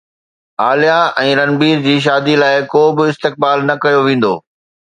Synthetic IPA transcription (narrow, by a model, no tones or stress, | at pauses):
aːlijaɛ̃ːɾɐnbiːɾd͡ʑiːʃ̬aːd̪ilaːɪkoːbɪɪst̪ɪk̚baːlnɐkɐjoʋẽːn̆d̪oː